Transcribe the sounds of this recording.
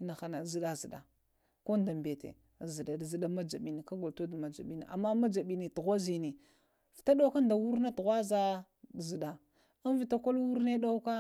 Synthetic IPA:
na˨xa˨na˨zi˨ɗa˦zi˨da˨ | ko˦nda˨mbe˨tḛ˨ | zi˨da˨zi˨da˦ma˦d͡ʒa˨ɓi˨ni˨ka˦ɡo˨lto˦dma˨d͡ʒa̰˨ɓi˦nḭ˨ʔa̰˨mːa˦ma˦d͡ʒa˨ɓi˨ni˨tu˨ɣʷa˦zi˨ni˨ | fta˦ɗo˦ka˦nda˨wu˦ɾna˦tu˨ɣʷa˦za˦˨ | zi˨da˨ | a˦n˦vi˨ta˨ko˦lwu˦ɾne˦ɗa˦u˦ka˦

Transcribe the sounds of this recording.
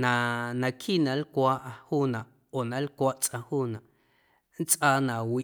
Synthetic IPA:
nã˧nã˧kʰi˦˨nã˨lkʷaː˦ʔhuː˦nã˨ʔ | o˨nã˨˦lkʷaː˦ʔt͡sʼʔã˧huː˦˨nã˨ʔ | n̩˦t͡sʼʔaː˧nã˨wi˨

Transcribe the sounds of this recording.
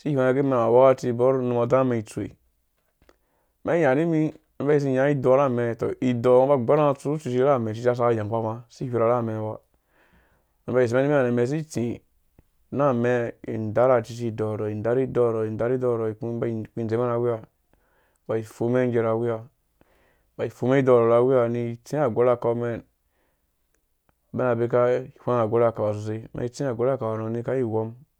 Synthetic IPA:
si˦hẽ˦e˨ɡe˦me˦n˨a˨wa˦ka˦ti˦˨bo˦ɾnu˨mo˨da˦me˨i˨t͡su˨ḛ˨ | me˦ja˨ni˦mi˦ | na˨˦ba˦i˦s̬i˦˨ja˨˦i˦do˨˦ɾa˦˨me˨to̰˨i˨do˨˦ba˦ɡ͡be˦ɾa˦˨t͡su˦u˦t͡ʃi˨t͡ʃi˦ɾa˦˨me˨t͡ʃi˦t͡ʃi˦a˦˨s̬a˦a˦˨ja˨k͡pa˦ma˦˧si˦hi˦ɾa˨ɾa˦˨me˨wa˨ | na˨ba˦i˨si˨me˦ni˦i˦a˨ne˨me˨s̬i˦ti˨ | na˦me˦ḭ˨n˨da˦ɾa˨t͡ʃi˧t͡ʃ̬i˦dɔ˨ɾɔ˨i˨n˨da˦ɾi˦dɔ˦˨ɾɔ˨i˨n˨da˨˦ɾi˦dɔ˦˨ɾo˨i˨kũ˦ba˦i˨ki˦˨n˨e˨˦ma˦na˨˦wi˦a˦ | ba˨i˨fo˦me˦ŋ˦d͡ʒe˧ɾa˨wi˦ja˦ | ba˨i˨fo˨˦me˦i˦dɔ˨ɾo˨ɾa˨˧˦wi˦a˦˨ni˧˨t͡sĩ˦a˨ɡo˦la˦˨ko˧˦me˦n | be˦na˨be˦ka˦i˨fʷã˦na˨ɡo˦la˦˨ka˨wa˨s̬u˨s̬e˧mḛ˨i˦˨t͡sĩ˦a˨ɡʷo˨˦ɾa˦˨ka˨wa˨no˨ni˧ka˦i˦˨wo˦m

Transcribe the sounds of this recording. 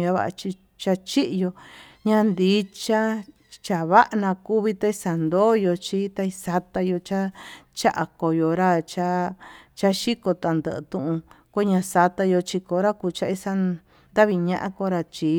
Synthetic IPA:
ja˧βa̰˦˧ʔt͡ʃi˧ | t͡ʃa˧t͡ʃi˦ʔjo˧ɲã˧nd̪i˨˦t͡ʃa˦ | t͡ʃa˨βa˦ʔnã˧ku˦βi˧t̪a˦˧i˧sa˨nd̪oː˦jo˧t͡ʃi˦t̪a˧i˧sa˧t̪a˧jo˧t͡ʃa˦t͡ʃa˦ʔa˨ko˧jo˧ɾa˦t͡ʃa˦t͡ʃa˦ʃi˦ko˧t̪a˨nd̪ə̰˨˧t̪ũ˧ʔũ˧kʷe˦ɲã˧sa˧t̪a˧jo˧t͡ʃi˧ko˧˦ɾa˦kuː˧t͡ʃa˧i˧sa˧ | nd̪a˦βi˧ɲã˦ʔã̰˦ko˧˦ɾa˧t͡ʃi˧

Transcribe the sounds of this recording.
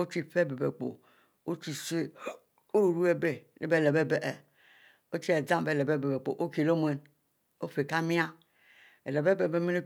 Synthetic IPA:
o˦t͡ʃi˦fe˦˨be˨be˨k͡po̰˨ | o˦t͡ʃi˨se˦ | o˦˨ɾu˦e˦be˨nḛ˦be˦˨le˨be˦be˨ʔɛ˨ | o˦t͡ʃi˦ɛ˨d͡zã˦m˨be˦˨le˨be˦˨be˨be˨k͡po̰˨ʔo˦ke˨lo˦mu˨e˨n | o˦fe˨ka˦mĩ˦a˦ | e˨le˨be˦be˨be˦mi˦no˦

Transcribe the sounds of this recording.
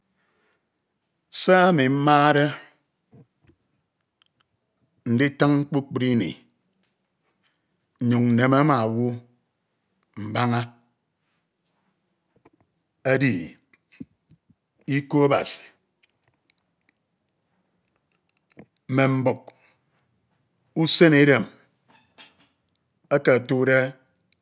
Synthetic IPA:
sa˦a˦mi˨m̩˦maː˦ɾe˦ | n̩˨de˦ta˦ŋŋ͡m̩˦k͡pu˦k͡pi˦ɾi˦nḛ˨ | ɲu˨ŋn̩˨ne˨ma˦ma˨wu˦ | m̩˨ba˦ŋa˦ | a˦di˨ | i˦ko˦a˦ba̰˨si̥˨ | m̩˦me˨m̩˦bo˨k̚ | u˦se˦ne˦de˨m | a˦ka˨tu˦de˦

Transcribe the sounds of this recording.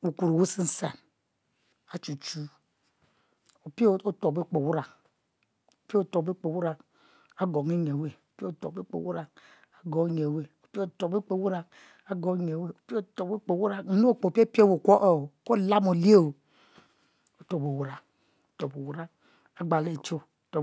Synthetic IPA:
wu˨ku˨ɾo˨wu˦si˦n̩˨sḛ˨n | a˨t͡ʃu˨t͡ʃu˦ | o˨pi˦o˦˨o˦to˨be˦k͡po˨wu˦ɾa˨ | o˨pi˦o˦˨to˨be˦k͡po˨wu˦ɾa˨ | a˦ɡo˨ŋi˦ɲ˨e˨we˨o˨pi˦o˨to̰˨be˦k͡po̰˨wu˦ɾa˨ | a˨ɡɔ˨˦ɲ˨e˨we˨o˨pi˦˨tɔ˨be˦k͡po˨wu˦ɾa˨ | a˦ɡɔ˨˦ɲ˨e˨we˦˨o˨pi˦tɔ˨be˦k͡po˨wu˦ɾa˨˦no˦o˦˨k͡po˨pi˦e˦pi˦e˦˨wo˨kʷɔ˦ʔɔ˦˨o˨ko˦la˦mo˨li˦e˦o˨ | o˦to˨bo˨wu˨ɾa˨ | o˦tɔ˨bo˨wu˦ɾa˦ | a˦ɡ͡ba˨le˦˨t͡ʃo˦tɔ˨

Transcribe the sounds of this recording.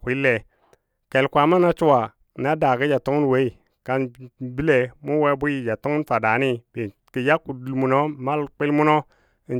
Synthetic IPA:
kʷi˦le˨ | ke˨lkʷa˨ma˦na˦t͡ʃu˦wa˨ | na˦da˨ki˦d͡ʒa˨tu˦ŋ˦n˨we˦i˨ | ka˨nbi˦le˨mu˦we˦bu˦ji˨d͡ʒa˨tu˦ŋ˦n˦fa˨da˨ni˦be˨ | ki˨ja˦ku˨du˨lmu˨no˦ma˦lk͡pi˦lmu˦no˦˨ | n

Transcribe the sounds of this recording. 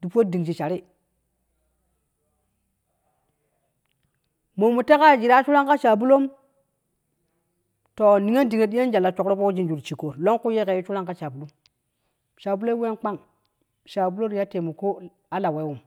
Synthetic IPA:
d̥i˨po˦di˨ŋd͡ʒi˨t͡ʃa˨ɾi˦ | mo˨mu˨te˦ka˦˨d͡ʒi˨ɾa˦t͡ʃu˦la˦ŋka˦t͡ʃa˨bu˦lo˦m | to˨ni˨˦ŋe˦ndi˨ŋe˨ɗi˦e˦n˦d͡ʒa˨lːa˨t͡ʃo˨kɾo˦po˦d͡ʒi˦nd͡ʒu˨ɾt͡ʃi˨ko˨ɾlo˦ŋku˦je˦ke˨ju˦t͡ʃu˦la˦ŋka˦t͡ʃa˨bu˨lu˦m | ʃa˨bu˦lo˦we˦nk͡pa˦ŋ | ʃa˨bu˦lo˦ɾi˦ja˦te˨mu˨ko˦ | a˦la˨we˨˦wu˨m

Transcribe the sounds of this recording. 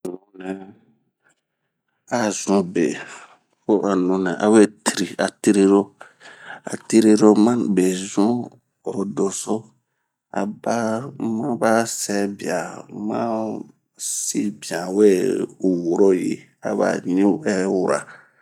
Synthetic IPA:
nũ˨nɛ˨ | a˨zũ˦be˨ | fo˦ʔa˨nũ˨nɛ̃˨ʔa˨we˦ti˨ɾi˨a˨ti˦ɾi˦ɾo˦ | a̰˨ti˦ɾe˦ɾo˦mã˦be˨zũ˦ | o˨ɾo˨do˨so˦ | a˨ba˦mã˦ba˦sɛ˦bi˨a˨mã˦ | si˦bi˨ã˨we˦u˨wo˨ɾo˦jḭ˦ | a̰˨βa̰˨ɲĩ˦wɛ˦wu˦˨ɾa̰˨

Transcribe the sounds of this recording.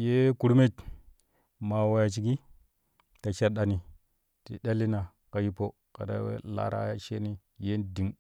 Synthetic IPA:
je˦ku˦ɾme˦t | ma˨wa˨ja˨t͡ʃi˨ɡi˦ | ta˨ʃe˦ɾɗa˨ni˨ | tḭ˨ɗʲa˦lːi˦na˨ | ka˨ji˦po˦ | ka̰˨da̰˨˦wḛ˦la̰˨ɾa̰˦ja˦ʃe˦ni˦ | je˦ndi˨ŋ

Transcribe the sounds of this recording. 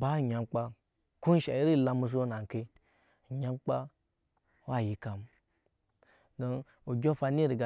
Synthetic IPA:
ba˦˨ɲa˨mk͡pa˦ | ku˦n˦ʃa̰˨i˦ɾi˦˨la˦mu˦s̬o˦na˨ŋ˨ke˦˨ | ɲa˦mk͡pa˦ | wa˦˨ji˨ka˨m | do˦n | u˨ɡʲo˦fa˧ni˦ɾi˨ɡa˨

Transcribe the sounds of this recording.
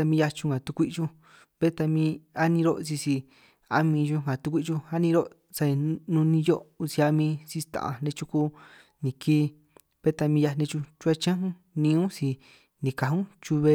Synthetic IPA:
a˧mĩ˧ja˧t͡ʃũ˧ɡã˨t̪u˧kʷi˦ʔt͡ʃu˧ | βe˦t̪a˧mĩ˧a˦nĩ˧ɾo˦ʔsi˧si˧ | a̰˧mĩ˧ʒu˧ŋã˨t̪u˧kʷi˦ʔt͡ʃu˧a˦nĩ˧ɾo˦ | sa˧i˧nũ˧nĩ˧jo˦ʔu˧si˧a˧mĩ˧si˧t̪ã̰˨ʔã̰˨nẽ˧t͡ʃu˦ku˧ | nĩ˨kʰiː˦˧ | β̥e˦t̪a˧mĩ˧ja˧nẽ˧t͡ʃu˧t͡ʃu˦a˧t͡ʃã˦ɦũ˦ | nĩ˧˦ũ˦si˧ | nĩ˨ka˨ɦũ˦t͡ʃu˧βe˧

